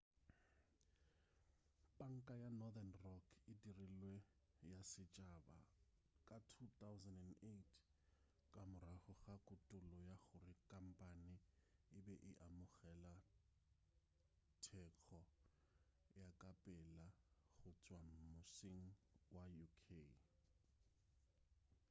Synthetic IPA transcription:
pʼaŋ̩kʼajanɔðanrɔkʰɪdirilwejasɪt͡ʃʼaba̰ | kʼatʰut̪awzandɛnetʰ | kʼamʊɾahʊɣakʼʊtʼʊlɔjaɣʊrɪkʼam̩pʼanɪɪbɛʔɪʔamʊɣɛla | tʰɛk͡xʰɔ | jakʼapʼɛlaɣʊt͡sʼwamʊsiŋ̩wajukʰe

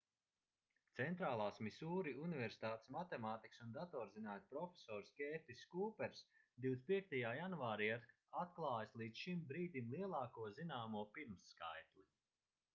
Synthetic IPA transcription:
t̪sɛnt̪ɾaːlˠaːsmisuːɾiunivɛɾsi̥t̪aːt̪e̥smat̪ɛmaːt̪iksund̪at̪ɔːɾzinaːt̪pɾɔfʲe̥sɔːɾskɛːt̪iskuːpɛɾsd̪iw̪spʲiɛk̚t̪ajaːjanvaːɾiaɾ | at̪̚klˠɑːjslˠiːd̪sʃimbɾiːd̪imlˠiɛlˠaːkuɔzinaːmuɔpiɾmsːkajt̪lˠi

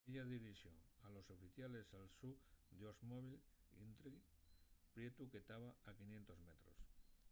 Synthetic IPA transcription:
eʎaðiɾiʃjoŋalo̞sofiθjale̞salsud̪osmoβil | ḭnt̪ɾiɣ | pɾje̞t̪uket̪aβaakinjent̪o̞zme̞t̪ɾos

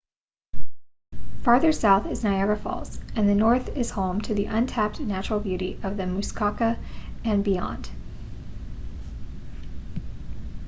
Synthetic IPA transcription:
fɑɹðə˞saʊθɨznaʊɛvə˞fɔ̰lˠsɨ̃nðɨnɔɹθɪz̥hõʊ̃mtʰɨðiʔʌ̃ntʰæp̚tnæt͡ʃɹl̩ˠbjʉɾiʔʌvðɨmʉskʰɑkɨɨ̃nbiɑ̰̃nd̥

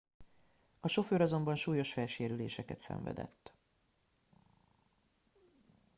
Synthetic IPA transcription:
ɒʃo̞føːɾɒzo̞mbɒnʃuːjo̞ʃfɛlʃeːɾyleːʃɛkɛt̪sɛ̰ɱvɛ̰d̪ɛ̰t̪ː

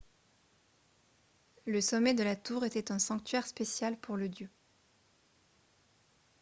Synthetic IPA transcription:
ləsɔmɛd̪əlat̪uʁet̪ɛt̪ɛ̃sɑ̃k̚t̪ɥɛʁspesjalpʰuʁləd̪jø

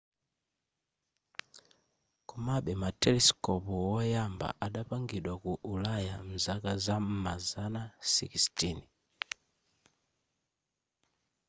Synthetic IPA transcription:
kumaɓɛmatɛliskɔpɔwɔjamba̰ʔaɗapaŋɡiɗwakuʔulajam̩zakazam̩mazanasḭkistini

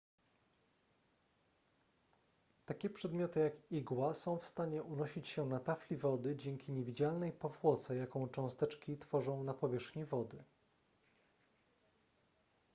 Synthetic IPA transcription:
t̪akʲɛpʂɛd̪mʲjɔt̪ɘjakiɡwasɔ̃w̃fst̪aɲɛʔunɔɕit͡ɕɕɛnat̪aflʲivɔd̪ɘd͡ʑɛŋkʲiɲevʲid͡ʑalnɛjpɔvwɔt̪sɛjakɔ̃w̃t͡ʂɔ̃w̃st̪ɛt͡ʂkʲit̪fɔʐɔ̃w̃napɔvʲjɛʂxɲivɔd̪ɘ

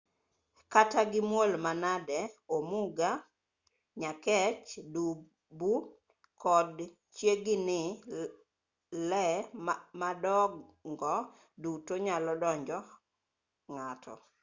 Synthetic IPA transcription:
kataɡɪmwolmanadɛomuɡa | ɲakɛt͡ʃdu | bu | kɔd | t͡ʃjeɡɪnɪ | lɛ | madɔɡŋɡɔ | dutoɲalɔdɔɲd͡ʒɔ | ŋatʰɔ̰

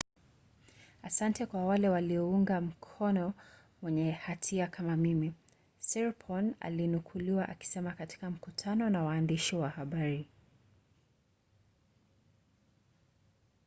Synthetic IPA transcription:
asantɛkwawalɛwaliɔuŋɡam̩kʰɔnɔ | wɛɲɛhatʰiakʰamamimi | sɛɹpʰɔna̰linukʰuliwaʔaki̥sɛmakati̥kam̩kutʰanɔnawaːndiʃiwahaɓaɾi

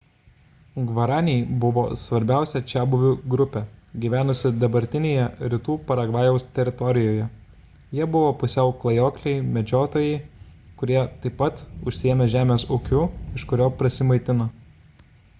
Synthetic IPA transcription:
ɡʋɐɾɑːnʲɛjbʊʋo̰ːsʋɐɾʲbʲæˑʊsʲɛt͡ʃʲæːbʊʋʲuːɡɾʊpʲɛɡʲiːʋʲæːnʊsʲɪd̪ɐbɐɾʲt̪ʲɪnʲeːjɛɾʲɪt̪uːpɐɾɐɡʋɑːjɛʊst̪ʲɛɾʲɪt̪ɔɾʲɪjoːjɛ | jiɛbʊʋoːpʊsʲɛʊklˠɐjoːklʲɛɪmʲɛd͡ʒʲoːt̪oːjɛɪkʊɾʲiɛt̪ɐɪpːɐt̪ʊʃʲsʲɪeːmʲɛʒʲæːmʲeːsʊkʲʊɪʃkʊɾʲoːpɾʲɐsʲɪmɐɪt̪ʲɪnɐ

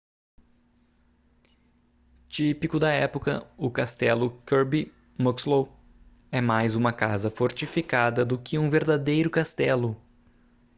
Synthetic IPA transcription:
t͡ʃipikʊd̪ɐɛpʊkɐ̰ʊkast̪ɛlʊkoɾbi | mokslow | ɛmajzũmɐkazɐfoɾt͡ʃifikad̪ɐd̪ʊkɪũveɾd̪ad̪ejɾʊkast̪ɛlʊ

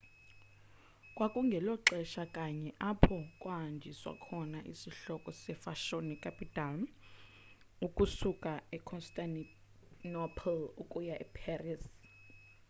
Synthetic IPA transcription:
kʼwakʼuŋɡʱɛlɔǁɛʃakʼaɲɛʔapʰɔkʼwaɦand͡ʒʱiswa̰kʰɔnaʔḭsiɬɔkʼɔsɛfaʃonikʰʼapʰʼitalm | ukʼusukʼaɛkʰɔnstʼan | nɔpʰlukʼujaʔɛpʰɛris

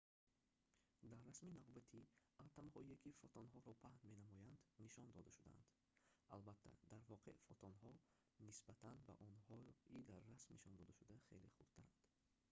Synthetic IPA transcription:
d̪aɾːasminavbat̪ʰialt̪ʰamhɔiekʰifɔt̪ʰɔnɦɔɾɔpʰahnme̞namɔjand̪niʃɔnd̪ɔd̪aʃud̪æa̰nd̪̥ | albat̪ʰːa̰d̪aɾvɔqʰḛʔfɔt̪ʰɔnɦɔ | nisbat̪ʰanba̰ʔɔnhɔid̪aɾːasmniʃɔnd̪ɔd̪æʃud̪aχḛleχubt̪ʰaɾand̪̥

